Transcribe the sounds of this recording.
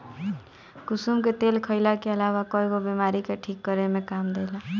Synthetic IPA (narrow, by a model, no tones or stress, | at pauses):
kusumket̪elkʰəɪlakeəlawakɔiɡobimaɾikeʈʰikːʌɾemekamd̪ela